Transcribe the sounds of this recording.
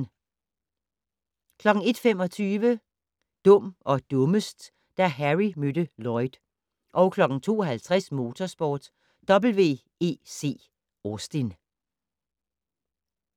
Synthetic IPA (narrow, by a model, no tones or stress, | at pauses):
kʰlɒ̽ɡ̥ŋ̩e̝d̥fem̰ɒ̽t͡sʰyːʋə | d̥ɔ̽m̰ʔɒ̽d̥ɔ̽məsd̥ | d̥æɦæʁimød̥əlɒ̽ɪd̥ | ʔɒʊkʰlɒ̽ɡ̥ŋ̩t͡sʰo̝̰ːɒɦælt͡sʰʁɛsmo̝ːt͡sʰɒsb̥ɒːd̥ | d̥ɒ̽b̥l̩ʋe̝̰ː | e̝̰ːse̝̰ː | osd̥en